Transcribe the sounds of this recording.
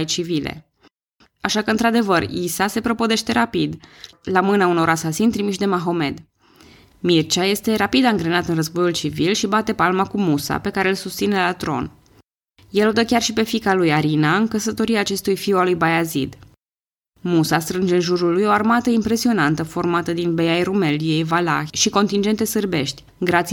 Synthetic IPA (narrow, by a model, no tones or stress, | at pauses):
jt͡ʃivilḛ | aʃakəɨnt̪ɾad̪e̞vərisase̞pɾo̞pod̪e̞ʃt̪e̞ɾapid̪ | lamɨnauno̞ɾasasint̪ɾimiʃd̪e̞maɦo̞me̞d̪ | mirt͡ʃaje̞st̪e̞ɾapid̪aɨŋɡɾenat̪ɨnrəzbo̞jult͡ʃivilʃibat̪e̞palmakumusa̰pe̞kaɾe̞ːlsust̪sine̞lat̪ɾo̞̰n | jelod̪əkʲarʃipe̞fikalujaɾinaɨŋkəsət̪o̞ɾiaːt͡ʃe̞st̪ujfiwalujbajazḭd̪ | musast̪ɾɨnd͡ʒe̞ɨnʒuɾulːujo̞armat̪əimpɾe̞sio̞nant̪əfo̞rmat̪əd̪inbejajrume̞lije̞jvala̰ʃiko̞nt̪ind͡ʒe̞nt̪e̞sɨrbe̞ʃt̪ʲ | ɡɾat̪s